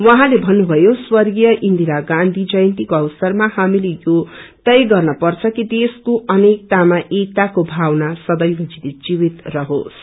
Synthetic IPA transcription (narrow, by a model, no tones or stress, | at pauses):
wʌɦãlebʱʌnːubʱʌjoswʌrɡijʌʔind̪ʱiɾaɡãnd̪ʱid͡zʌjnt̪ikoʌwsʌrmahamilejot̪ʌjɡʌrnʌpʌrt͡sʰʌkid̪eskoʔʌnek̚t̪amaʔek̚t̪akobʱawnasʌd̪ʌjɦʌd͡zitid͡ziwit̪rʌɦo̰s